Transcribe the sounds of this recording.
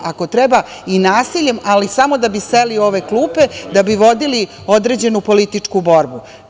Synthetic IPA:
ʔako̞t̪ɾeba | inaːsiʎe̞malisamo̞d̪abiselio̞ʋe̞klˠuːped̪abiʋo̞d̪ili | o̞d̪ɾe̞d͡ʑe̞nupo̞lit̪it͡ʂkubo̞ɾbu

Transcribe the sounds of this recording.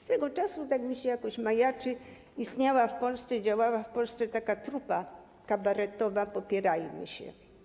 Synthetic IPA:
st̪ɛɡɔt͡ʂasut̪aɡmiɕɛjakɔ̃ɕmajat͡ʂɘ | ist̪ɲawafpɔlst̪sɛd͡ʑawawafpɔlst̪sɛt̪akat̪ɾupa | kabaɾɛt̪ɔvapɔpʲjɛɾajmɨ̰ɕɛ̰

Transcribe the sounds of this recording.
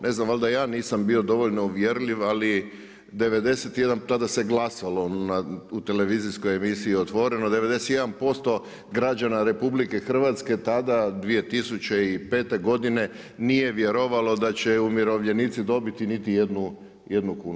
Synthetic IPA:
ne̞znamald̪ajaːniːsambio̞d̪o̞ʋoʎnouʋjeɾliʋali | d̪e̞ʋe̞d̪e̞set̪je̞d̪ant̪ad̪aseɡlˠasalo̞naut̪e̞le̞ʋizisko̞jemisiiot̪ʋo̞ɾe̞no̞d̪eʋe̞d̪e̞set̪je̞d̪anpo̞st̪o̞ | ɡɾad͡ʑanaɾe̞publike̞xr̩ʋat̪ske̞t̪ad̪ad̪ʋije̞t̪isut͡ɕe̞ipe̞ːt̪e̞ɡo̞d̪ine̞ | nije̞ʋjeɾo̞ʋalˠo̞d̪at͡ɕe̞umjiɾo̞ʋʎe̞niːt̪sid̪o̞bit̪init̪ije̞d̪nu | jed̪nukuːnu

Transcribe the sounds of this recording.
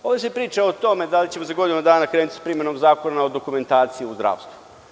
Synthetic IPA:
oʋesepɾiːt͡ʃaot̪o̞me̞d̪alit͡ɕe̞mozaɡo̞d̪inumad̪aːnakɾenut̪ʲspɾimenomzaːko̞naod̪o̞kume̞nt̪aːt̪sijiuzd̪ɾa̰ːʋst̪vu

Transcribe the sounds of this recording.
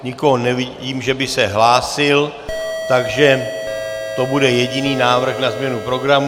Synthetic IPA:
ɲɪko̞ɦonɛvɪɟiːmʒɛbɪsɛɦlaːsɪl | t̪aɡʒɛ | t̪o̞budɛjɛɟɪniːnaːvr̩xnazmɲɛnupɾo̞ɡɾam

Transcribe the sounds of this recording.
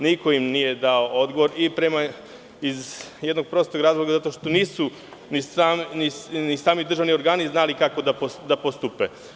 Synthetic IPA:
niko̞imnije̞d̪aood̪ɡo̞ʋo̞ɾipɾe̞ma | izjed̪noɡ̚pɾo̞st̪oɾaːzlˠoɡazat̪o̞ʃt̪o̞niːsu | nisamninisaːmid̪ɾr̩ʒaʋnio̞ɾɡaːniznalikako̞d̪apod̪apost̪upe

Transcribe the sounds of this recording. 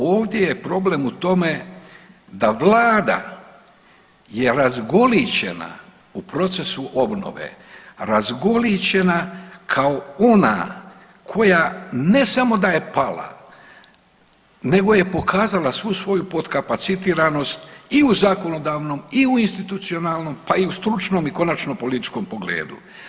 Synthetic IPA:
oːʋd̪je̞je̞pɾo̞ble̞mut̪o̞me̞ | d̪aʋlaːd̪a̰ | jeɾazɡo̞lit͡ɕe̞̰na̰ | upɾo̞t̪se̞suʔo̞bno̞̰ʋḛɾazɡo̞lit͡ɕe̞nakʰao̞o̞na̰ | kʰo̞jane̞samo̞d̪aje̞pala̰ | ne̞ɡo̞je̞po̞kʰaːzalasʋusʋo̞jupo̞d̪kapat̪sit̪iːɾano̞st̪iuzako̞no̞d̪aːʋno̞miuinst̪it̪ut̪sio̞nalno̞mpaiust̪ɾut͡ʃno̞ːmiko̞nat͡ʃno̞po̞lit̪i̥t͡ʃko̞mpo̞ɡlḛːd̪ṵ

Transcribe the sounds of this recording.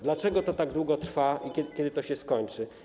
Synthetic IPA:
d̪lat͡ʂɛɡɔt̪ɔt̪aɡd̪wuɡɔt̪ɾfaʔikʲɛkʲɛd̪ɘt̪ɔɕɛskɔɲt͡ʂɘ

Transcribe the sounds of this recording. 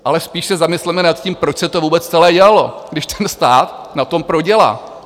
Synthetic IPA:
ʔalɛspiːʃsɛzamɪslɛmɛnat̪cimpɾot͡ʃsɛt̪ovuːbɛt͡st͡sɛlɛːɟɛalo̞ɡdɪʃt̪ʰɛnst̪aːt̪ | nat̪o̞mpɾoɟɛla̰ː

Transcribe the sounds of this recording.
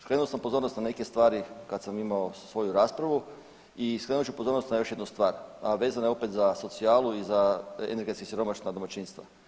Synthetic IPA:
skɾenulosampo̞zo̞ːɾnot̪nane̞ke̞st̪ʋaːɾikat̪samimaosʋo̞juɾaːspɾaʋu | iskɾenuot͡ʃupo̞zo̞ɾnost̪najo̞ʃje̞d̪nust̪ʋaːɾʋe̞ːzanaeo̞pet̪zaso̞t̪siaːlˠuizaḛne̞ɾɡe̞t̪kesʲiɾo̞maʃnad̪omat͡ɕiːnst̪ʋa̰

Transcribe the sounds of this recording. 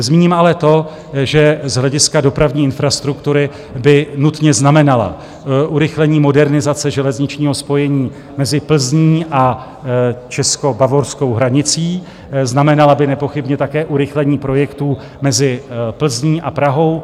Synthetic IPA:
zmiːɲimʔalɛt̪o̞ | ʒɛzɦlɛɟɪskado̞pɾavɲiːɪnfɾast̪ɾukt̪uɾɪ | bɪnut̪ɲɛznamɛnala̰ | ʔuɾɪxlɛɲiːmo̞dɛɾnɪzat͡sɛʒɛlɛzɲɪt͡ʃɲiːɦo̞spo̞jɛɲiː | mɛzɪpl̩zɲiːʔa | t͡ʃɛsko̞bavo̞ɾsko̞wɦɾaɲɪt͡siː | znamɛnalabɪnɛpo̞xɪbɲɛt̪akɛːʔuɾɪxlɛɲiːpɾo̞jɛkt̪uː | mɛzɪpl̩zɲiːʔapɾaɦo̞w

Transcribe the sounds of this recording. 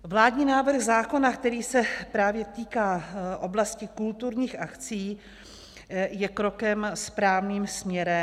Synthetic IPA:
vlaːdɲiːnaːvr̩ɣzaːko̞nakt̪ɛɾiːsɛpɾaːvjɛt̪iːkaːʔo̞blascɪkult̪uɾɲiːxʔakt͡siː | jɛkɾo̞kɛmspɾaːvniːmsmɲɛɾɛ

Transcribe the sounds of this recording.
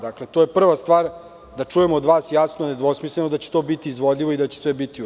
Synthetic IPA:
d̪akle̞t̪oje̞pr̩ʋast̪ʋaːɾ | d̪at͡ʂujemoːd̪ʋaːsjasnoned̪ʋo̞smislenod̪at͡ɕe̥t̪o̞bit̪iːzʋo̞d̪ʎʲiʋo̞id̪at͡ɕe̥sʋebit̪i

